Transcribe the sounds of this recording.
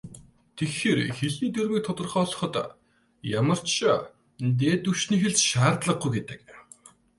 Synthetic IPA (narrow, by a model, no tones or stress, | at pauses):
t̪ʰexeːrxeɮniːt̪ermiːk̚t̪ʰɔt̪ɞ̆rχɔːɮɞ̥̆χɞ̆t̪ | jamə̆r̥t͡ɕʃə | t̪eːt̪ɵwʃniːxeɮt͡ɕʃaːrt̪ɮə̆q̚ɡujɡet̪ɘ̥̆k̚